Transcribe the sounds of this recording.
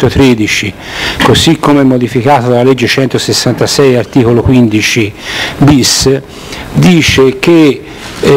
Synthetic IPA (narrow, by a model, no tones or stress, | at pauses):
t̪ot̪ɾed̪it͡ʃi | kosikʰːomeɛmːod̪ifikaːt̪od̪alːalɛd͡ʒːet͡ʃɛnt̪osesːant̪asɛjart̪iːkolokwind̪it͡ʃibis | d̪iːt͡ʃek̟e